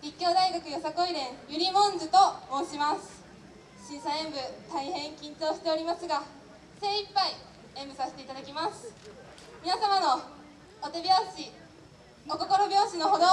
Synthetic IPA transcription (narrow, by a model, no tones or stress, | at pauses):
ɾʲikʲːo̞ːd̪aiɡakɯ̟josako̞iɾẽ̞ɰ̃jɯ̟ɾʲimõ̞nzɨt̪omo̞ːɕimasɨ̥ | ɕĩɰ̃saẽ̞mbɯ̟t̪aihẽ̞ŋkʲĩɲt͡ɕo̞ːɕi̥t̪e̞o̞ɾʲimasɨɡa | se̞ːipːai | ẽ̞mbɯ̟sase̥t̪e̞it̪ad̪akʲimasɨ̥ | mʲinasamano̞ː | t̪ebʲiaɕi | oko̞ko̞ɾo̞bʲo̞ːɕino̞ɦo̞d̪o